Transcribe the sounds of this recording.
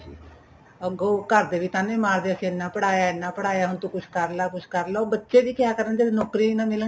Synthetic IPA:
əɡoːkəɾd̪eːʋiːt̪ãːnẽːmaːɾd̪eːəsĩːɪnːãːpəɽaːjaːɪnːãːpəɽaːjaːɦʊnt̪õːkʊt͡ʃʰkəɾlaːkʊt͡ʃʰkəɾloːbətːʃeːd̪iːkjaːkəɾənd͡ʒeːnɔːkɾiːnãːmɪlə

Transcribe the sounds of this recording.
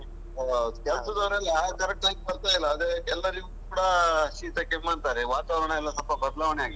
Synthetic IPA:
kɛlsɐd̪ɐʋɾɐlːiaːkɐɾek̚ʈaːɡebɐɾt̪aːjlːɐːd̪eɛlːɐɾiɡukuːɽɐʃiːt̪ɐkemːaːnt̪aːɾeʋaːt̪aːʋɾɐɳɐɛlːɐsɐlpɐbɐd̪laːʋɐɳeaːɡi

